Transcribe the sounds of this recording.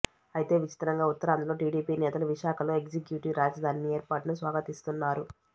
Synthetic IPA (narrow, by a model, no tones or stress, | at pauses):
ɐjit̪e̞ːʋit͡ʃi̥t̪ɐɾɐŋɡaːut̪ːɐɾaːnd̪ulo̞ːʈiːɖiːpiːnɛːt̪ɐluʋiʃaːkʰɐlo̞ːeɡzekjuːʈiʋɾaːd͡ʒɐd̪ʱaːnie̞ːɾpaːʈɐnusʋaːɡɐt̪ist̪unːaːɾu